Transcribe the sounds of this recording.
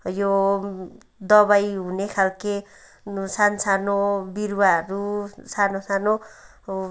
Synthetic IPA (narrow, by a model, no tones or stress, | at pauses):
jo | d̪ʌbajɦunekʰalke | sansanobiɾwaɾusanosano